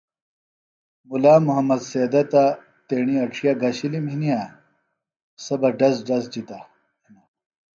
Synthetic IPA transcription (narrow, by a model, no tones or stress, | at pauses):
mulaːmuɦɐmːɐd̪seːd̪ɐt̪a | t̪eɳiɐʈ͡ʂʰijaɡɐɕiliminija | sɐbɐɖɐzɖɐzd͡ʑit̪a | na